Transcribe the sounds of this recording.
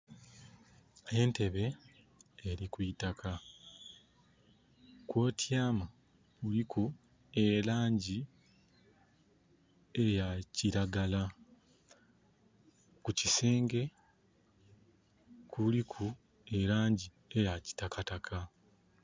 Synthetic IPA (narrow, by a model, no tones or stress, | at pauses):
e̞ːnte̞βe̞ː | ɾikwitakʰa | kwo̞ːtjaːma | kulikʰu | e̞laːɲɟi | ejaciɾaɡala | kucise̞ːŋɡe̞ | kulikʰu | e̞ɾaːɲɟi | e̞jaci̥takatakʰa